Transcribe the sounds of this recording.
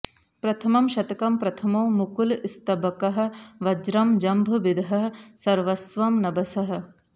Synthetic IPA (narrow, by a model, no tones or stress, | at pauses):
pɾɐt̪ʰɐmɐmʃɐt̪ɐkɐmpɾɐt̪ʰɐmɐwmukulist̪ɐbɐkɐɦɐ̆ʋɐd͡ʒɾɐmd͡ʒɐmbʱɐʋid̪ɦɐɦɐsɐɾʋɐsʋɐmnɐbɐsɐɦɐ̆